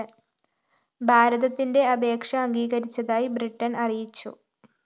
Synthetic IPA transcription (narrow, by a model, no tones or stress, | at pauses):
bʱaːɾɐðɐt̪ːinde̞ɐbe̞ːkʂɐɐŋɡiːɣɐɾit͡ɕːɐðaːjibriʈːɐnɐrijit͡ɕːṵ